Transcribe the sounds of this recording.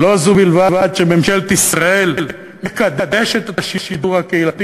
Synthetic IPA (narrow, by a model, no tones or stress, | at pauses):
lo̞zubilvavad̪ʃememʃelt̪isʁaell | mekad̪ed̪eʃet̪etaʃiʃid̪uʁhakeilat̪i